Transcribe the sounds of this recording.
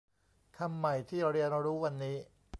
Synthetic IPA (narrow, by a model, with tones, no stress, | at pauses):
kʰa˧mːa˨˩jt̪ʰiː˥˩ɾi˧ənɾuː˦˥wa˧nːiː˦˥